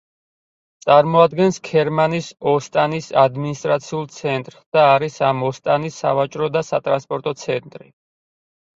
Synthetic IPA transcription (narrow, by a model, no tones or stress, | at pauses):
t̪sʼaɾmɔad̪̚ɡɛnskʰɛɾmanisɔst̪ʼanisad̪minist̪ʼɾat̪sʰiulˠt̪sʰɛnt̪ʼɾd̪̥aːɾisamɔst̪ʼanisːa̰vat͡ʃʼɾɔd̪asa̰t̪ʼɾanspʼɔɾt̪ʼɔt̪sʰɛnt̪ʼɾi